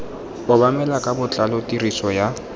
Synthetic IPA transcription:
ʊbamɛlakʼabʊt͡ɬʼalɔtʼirisɔja

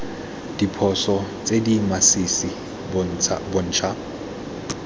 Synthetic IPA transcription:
d̥ipʰɔsɔt͡sʼedimasisi | bon̩ːt͡ʃʰa

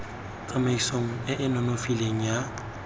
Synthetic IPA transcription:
t͡sʼamaisoŋ̩ɪʔɪnɔnofileŋ̩ja

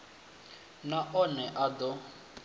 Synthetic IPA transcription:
naʔɔnɛʔad̪ɔ

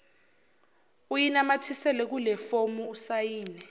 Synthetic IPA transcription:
ujinamatʰisɛlɛk̬ulɛfomuːsajiːnɛ

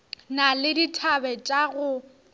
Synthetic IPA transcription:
nalɪditʰabɛt͡ʃʼaɣʊ

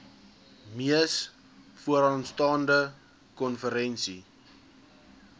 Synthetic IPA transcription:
miəs | fuəɾɑnstɑːndə | kɔnfəɾɛnsi

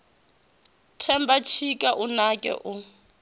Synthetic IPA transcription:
tʰɛmbat͡ʃʰikʼaʔunakʼɛ̰ʔu

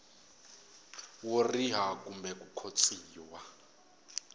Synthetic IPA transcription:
woriɦak̬ʼumbɛk̬ʼukʰot͡sʰʼiːwa

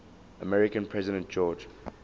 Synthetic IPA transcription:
əmɛɹɪkə̃npʰɹɛzɪɾə̃nt̚d͡ʒɔːd͡ʒ

